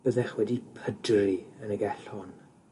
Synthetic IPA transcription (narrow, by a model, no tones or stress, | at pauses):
b̥əðɛχwɛdipʰədriənəɡɛɬɔn